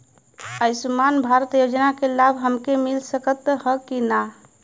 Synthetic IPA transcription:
əjsumanbʱaɾət̪jod͡ʒnakelabʱɦəmkemilsəkət̪həkina

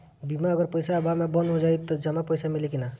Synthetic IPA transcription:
bimaəɡəɾpəjsaːbʱamebɔnɦod͡ʒajt̪ɔd͡ʒəmapəjsamilikina

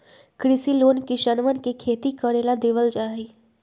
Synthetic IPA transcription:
kɾɪsiloːnkiʃənʋənkekʰeːt̪ikəɾeːlad̪eːʋəld͡ʒaːɦi

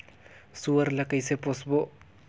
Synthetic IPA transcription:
suaɾlakajseposbo

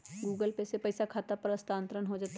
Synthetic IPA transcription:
ɡuːɡəlpesepɐɪsakʰaːt̪apəɾɐst̪aːnt̪əɾənɦod͡ʒaːt̪

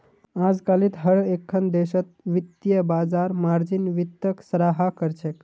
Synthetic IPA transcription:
ãd͡ʒkalit̪ɦəɽekʰːənd̪esət̪̚ʋit̪jəbad͡ʒaɾmaɾd͡ʒinʋit̪ːəksəɾaɦakəɾt͡ʃʰɛk

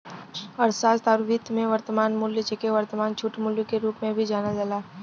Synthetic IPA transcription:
ɔɾsaːst̪aɾʋit̪mẽʋəɾt̪əmaːnmʊljt͡ʃekeʋɐɾt̪əmaːnt͡ʃʰuʈmʊljkeɾuːpmẽbʱid͡ʒaːnad͡ʒalaː

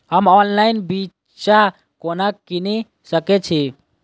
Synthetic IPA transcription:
ɦəmɔnlainbi | t͡ʃa | konakini | səkɛt͡ʃʰi

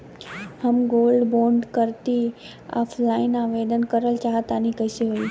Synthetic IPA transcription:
həmɡolɖboɳɖkəɾt̪i | a̰fʰlainãʋed̪ənkəɾəlt͡ʃaɦət̪anikəʃeɦoi

